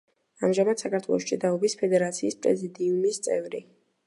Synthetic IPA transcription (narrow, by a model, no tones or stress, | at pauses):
amʒamad̪̥sakʰaɾt̪ʰwɛ̰lˠɔ̰ʃt͡ʃʼid̪aɔbispʰɛd̪ɛɾat̪sʰiːspʼɾɛ̰zid̪iumist̪sʼɛ̰vɾi